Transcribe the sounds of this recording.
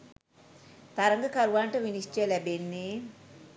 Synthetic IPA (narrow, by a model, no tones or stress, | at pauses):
t̪ɐɾɐŋɡɐkɐɾʋaːɳʈɐʋinist͡ʃelɛbenːi